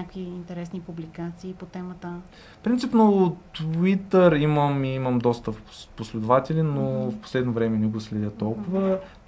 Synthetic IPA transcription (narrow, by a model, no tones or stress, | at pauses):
akiːnt̪ɛɾɛsnipublikat̪siːpot̪ɛmət̪ə | fpɾint̪sipnot̪it̪əɾiməmiiməmd̪ɔst̪əposlɛd̪ʊvat̪ɛlinofpo̥slɛd̪novɾɛmɛnɛɡoslɛd̪ʲjət̪ɔlˠkʊvə